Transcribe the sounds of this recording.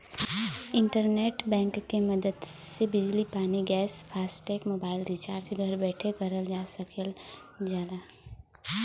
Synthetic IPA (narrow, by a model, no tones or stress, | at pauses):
ɪ̃ɳʈəɾneːʈbɛ̃ːŋkkːemɐd̪əd̪sebɪd͡ʒlipaːniɡɛːspʰaːsʈeːkmoːbaːɪlɾit͡ʃaːɾd͡ʒɡʱəɾbɛːʈʰekɐɾəld͡ʒaːsɐkəld͡ʒaːla